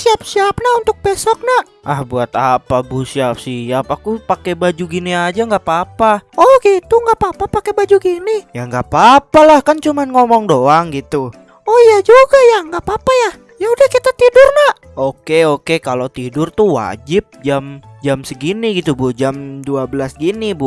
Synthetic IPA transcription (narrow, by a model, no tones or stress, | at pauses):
siap̚siap̚naunt̪ʊk̚pesɔk̚naʔ | ʔahbuat̪apabusiap̚siapakupakebad͡ʒuɡiniad͡ʒaŋɡapapaɔhɡit̪uŋɡapapapakebad͡ʒuɡinijaŋɡapapalahkant͡ʃumanŋɔmɔŋdoaŋɡit̪u | ɔjad͡ʒuɡajaŋɡapapaja | jaudahkit̪at̪idʊrnaʔ | ʔokeokekalot̪idʊrt̪uwa̰d͡ʒɪp̚d͡ʒamd͡ʒamsəɡiniɡit̪ubud͡ʒamduabəlasɡinibu